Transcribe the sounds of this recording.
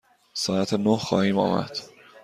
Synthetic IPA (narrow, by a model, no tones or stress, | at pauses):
sɒːæt̪ʰenohxɒ̰ːhiːmɒ̰ːmæ̰d̪̥